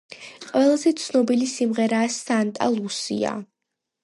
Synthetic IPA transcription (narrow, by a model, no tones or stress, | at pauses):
qʼwɛlˠazɛt̪sʰnɔbilisimʁɛɾaːsant̪ʼa̰lˠusḭa̰